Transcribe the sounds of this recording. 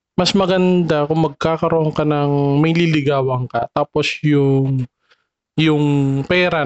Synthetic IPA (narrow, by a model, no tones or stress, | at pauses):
mɐsmɐɡɐnd̪akʊŋmɐɡ̚kaːkɐɾoʔoŋkɐnɐŋmɐjlɪlɪɡaːwɐŋkɐt̪aːposjʊŋ | jʊŋpɛːɾɐ